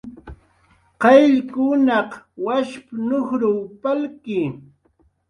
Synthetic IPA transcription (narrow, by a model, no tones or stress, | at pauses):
qɑjʎkʊnɑqwaʃpnʊχɾuwpalkɪ